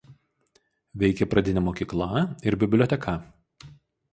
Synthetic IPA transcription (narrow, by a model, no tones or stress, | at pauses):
ʋʲɛɪkʲɛpɾɐd̪ʲɪnʲɛmoːkʲiːklˠɐˑɪɾbʲɪbʲlʲoːt̪ʲɛkʰɐ